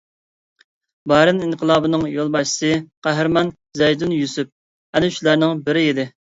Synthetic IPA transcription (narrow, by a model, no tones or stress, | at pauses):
bɑɾɨninqʰəlˠɑːbɨnɨŋjolˠbɑʃi̥sɨqʰæɦɪɾmɑn | zɛjd̪unjusup̚ | ɛnɪʃlæɾnɪŋbɪɾɪid̪ɪ